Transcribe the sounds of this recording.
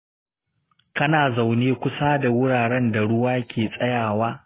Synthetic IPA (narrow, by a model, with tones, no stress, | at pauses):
kɐ˦naː˨za˨wneː˦kʷʊ˦saː˦da˨wʊ˦ɽaː˨ɽɛ˦nda˨ɽʊ˦waː˦kʲʰeː˨sʼɐ˦jaː˨waː˦